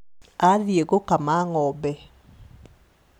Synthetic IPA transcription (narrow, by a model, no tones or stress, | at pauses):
aðjeɡokamaŋɔbɛ